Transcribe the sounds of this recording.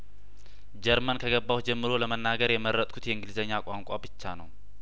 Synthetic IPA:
d͡ʒɛɾmənkʰəɡəbːaw̪d͡ʒɛmːɨɾo̞ləmənːaɡəɾjɛməɾːət̪ʼkʰut̪jɛɨŋɡɨlizəɲːakʼaŋkʼabɨt͡ʃːanəw

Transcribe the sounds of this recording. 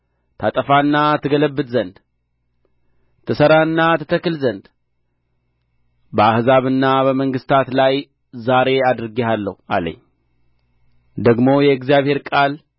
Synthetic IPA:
t̪ʰat̪ʼəfanːat̪ʰɨɡələbːɨd̪zənd̪ | t̪ʰɨsəɾaɨnːat̪ʰɨt̪ʰəkɨlzənd̪ | bəahzaβɨnːabəməŋɡɨst̪ʰat̪laj | zaɾe̞ad̪ɨɾɨɡehalːə̰hua̰lə̰ɲː | d̪əɡmo̞jɛɨɡzijaβhe̞ɾkʼal

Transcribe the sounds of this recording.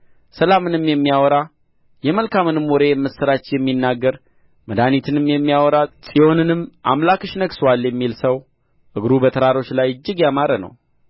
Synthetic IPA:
səlamɨnɨmːjɛmːijawɔɾa | jɛməlkamɨnɨmːoɔɾe̞mːɨsɨɾat͡ʃːjɛmːinːaɡːəɾ | məd̪anit̪ʰɨnɨmːjɛmːijawɔɾasʼiho̞nɨnɨmːʔa̰mlakɨʃnəɡsəwalːjɛmːilsəw | ʔɨɡɾubət̪ʰəɾaɾo̞t͡ʃːlajɨd͡ʒːɪɡjamaɾənə̰w

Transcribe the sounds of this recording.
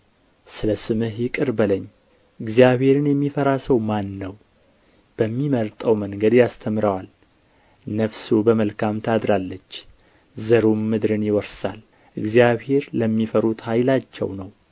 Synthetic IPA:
sɨləsɨmɨɦjɪkʼɨɾbələɲː | ʔɨɡzijaβhe̞ɾɨnjɛmːifəɾasəwmanːəw | b̥əmːiməɾt̪ʼəwməŋɡəd̪jast̪ʰəmɾəwal | nəfsubəməlkʰamt̪ʰad̪ɾalːət͡ʃː | zəɾumːɨd̪ɾɨnjɪwɔɾsa̰l | ʔɨɡzijaβhe̞ɾləmːifəɾut̪hajlat͡ʃːɛ̰wnəw

